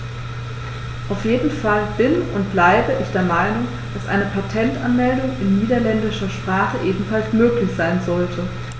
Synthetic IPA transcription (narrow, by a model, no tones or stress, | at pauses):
ʔaʊfjeːdn̩falb̥ɪnʊnt̚b̥laɪbəʔɪçd̥eːɐmaɪnʊŋ | d̥asʔa̰ɪnəpʰatʰɛntʔanmɛldʊŋɪnːiːdɐlɛndɪʃɐʃpʁ̥aːχəʔeːbm̩falsmøːklɪçz̥aɪnzɔltʰə